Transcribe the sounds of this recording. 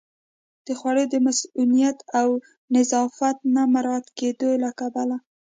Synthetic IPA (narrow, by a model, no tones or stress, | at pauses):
d̪̥əxwaɽəjd̪əmasulijat̪aw | nɪzɑfat̪̚namaɾɑt̪ked̪olakabala